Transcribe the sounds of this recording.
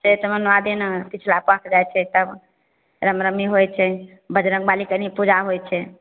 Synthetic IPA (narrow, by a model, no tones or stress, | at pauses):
set̪əmənad̪inpit͡ʃʰlapəkʰd͡ʒajt͡ʃʰɛt̪əb | ɾəmɾəmiɦojt͡ʃʰɛ | bəd͡ʒɾəŋɡ̚balikənipud͡ʒaɦojt͡ʃʰɛ